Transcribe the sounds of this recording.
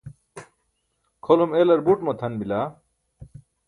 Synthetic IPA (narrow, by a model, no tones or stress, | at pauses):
kʰolumelɐɾbuʈmɐt̪ʰɐnbila